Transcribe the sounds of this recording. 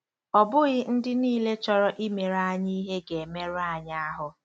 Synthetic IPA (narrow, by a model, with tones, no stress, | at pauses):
ɔ˨bʊ˦ɣɪ˦n̩˦dɪ˦niː˦le˦t͡ʃɔ˦ɾɔ˦ʔi˦me˨ɾa˦˨a˦˨ɲi˦ɦe˦ɡe˨e˨me˦ɾʊ˦a˨ɲa˦a˦ɦʊ˨